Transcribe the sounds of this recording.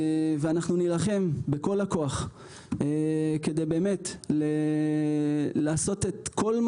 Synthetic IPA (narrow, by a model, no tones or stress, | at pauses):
veanaχnunilaχe̞mbeko̞lako̞aχ | ke̞d̪e̞jbe̞ːme̞t̪le | laːso̞tetkʰo̞lm